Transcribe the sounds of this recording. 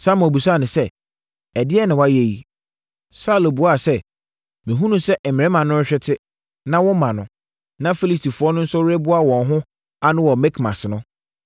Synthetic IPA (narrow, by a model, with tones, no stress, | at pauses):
sa˦m̃˨bu˨sa˦˨nʊ̃˨sɛ˦ | ɛ˨dɪ˦ɛ˦nɪ̃˨wa˦je˨ji˨ | sa˦lo˨bu˨a˦˨sɛ˦ | mɪ̃˨ɦũ˦nũ˦sɛ˦ʔ̩˨mɪ̃˨ɛ̃˦mã˨nʊ̃˦ɕᶣɛ˦tʰɪ˦ | nã˦wɔ̃˦mã˨nʊ̰̃˨ | nã˦fi˦li˦sti˨fʊ˨˦ɔ˦nʊ̃˦n̩˦sɔ˦wɛ˦bʊ˦a˦˨wɔ̃˨nɦʊ̃˦ | a˦nʊ̃˦wɔ˨mɛ˦kʰmã̰˨snʊ̃˦